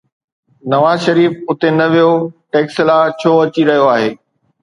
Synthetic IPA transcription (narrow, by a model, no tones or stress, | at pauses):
nɐʋaːzʃɐɾiːfʊt̪enɐʋijoʈeːkslaːt͡ɕʰoːɐt͡ɕiɾɐɦijoaːɦeː